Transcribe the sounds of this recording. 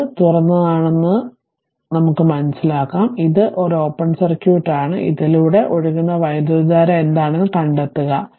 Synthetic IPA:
t̪urɐnːɐðaːɳe̞nːɨ | nɐmukːɨmɐnɐsilaːkːaːmiðɨʔo̞ɾo̞ːpːɐɳɖsɐrkʲjuːʈːaːɳɨʔḭðiluːɽe̞ʔo̞ɻuɣunːɐʋɐjɐd̪ɐdaːɾɐmend̪aːɳenːɨkɐɳɖet̪ːuɣɐ

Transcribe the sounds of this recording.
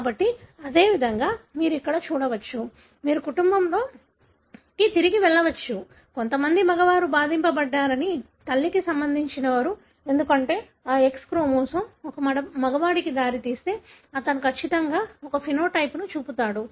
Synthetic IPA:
kaːbɐʈːiɐd̪e̞ːʋid̪ʱɐŋɡaːmiːɾuikːɐɽɐt͡ʃuːɽɐʋɐt͡ʃːu | miːɾukuʈumbɐmlo̞ː | kit̪iɾiɡiʋɛɭːɐʋɐt͡ʃːu | ko̞nt̪ɐmɐnd̪imɐɡɐʋaːɾubaːd̪ʱimpɐbɐɖːaːɾɐni | t̪ɐlːikisɐmbɐnd̪ʱiɲt͡ʃinɐʋɐɾu | e̞nd̪ukɐɳʈe̞ː | aːekskɾuːmɔːsɐmɔkɐɐɐmɐɡɐʋaːɽikid̪aːɾit̪iːst̪e̞ːɐt̪ɐnukɐt͡ʃːit̪ɐŋɡaːɔkɐpʰino̞ːʈɐjpnut͡ʃuːput̪aːɽu

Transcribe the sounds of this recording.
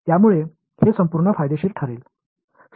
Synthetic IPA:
t̪jamuɭe | hesəmpuɾɳəfajd̪eɕiːɾʈʰəɾeːl | s

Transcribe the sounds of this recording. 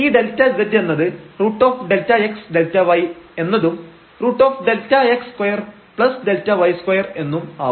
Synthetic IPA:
iːd̪e̞ltːɐd͡ʑɐdenːɐðɨruːʈːo̞ːfɖe̞ltːɐeksɖ̪e̞ltːɐʋɐje̞nːɐðum | ruːʈːo̞ːfɖe̞ltːɐekskɐjɐr | pɭɐsɖ̪e̞ltːɐʋɐjskwɐjɐre̞nːuma̰ː

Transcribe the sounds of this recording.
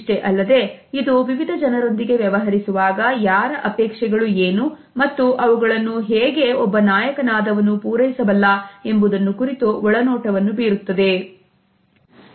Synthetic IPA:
ʈeʔɐlːɐd̪e̞id̪uʋiʋid̪ʱɐd͡ʒɐnɐɾo̞nd̪iɡe̞ʋjɐʋɐɦɐɾisuʋaːɡɐjaːɾɐʔɐpɛːkʂɛɡɐɭueːnu | mɐt̪ːuʔɐʋuɡɐɭɐnːuɦeːɡe̞ɔbːɐnaːjɐkɐnaːd̪ɐʋɐnːupuːɾɐjisɐbɐlːɐe̞mbud̪ɐnːukuɾit̪uɔɭɐnɔːʈɐʋɐnːubiːɾut̪ːɐd̪e̞

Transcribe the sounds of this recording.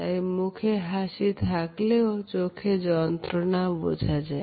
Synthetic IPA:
aemukʰeɦasit̪ʰakleot͡ʃokʰed͡ʒɔnt̪ɾənabo̰d͡ʒʱad͡ʒa

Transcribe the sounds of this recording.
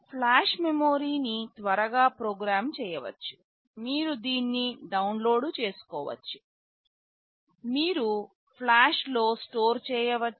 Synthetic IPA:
pʰlaːʃmemoːɾiːnit̪ʋɐɾɐɡaːpɾoːɡɾaːmt͡ʃɛːjɐʋɐ̰t͡ʃːu̥ | miːɾud̪iːnːiɖɐwnlo̞ːɖut͡ʃe̞ːsu̥kɔːʋɐ̰t͡ʃːu̥ | miːɾu | pʰlaːʂloːsʈoːɾt͡ʃɛːjɐʋɐt͡ʃː

